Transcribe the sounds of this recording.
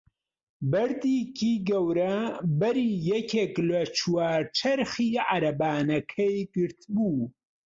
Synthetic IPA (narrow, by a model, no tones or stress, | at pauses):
bɐɾd̪iːkʰiːɡɐwɾɐbɐɾiːjɛkʰeːklɐt͡ʃʰwaːɾt͡ʃʰɐɾxiːʕa̰ɾɐbaːnɐkʰɐjɡɨɾt̪buː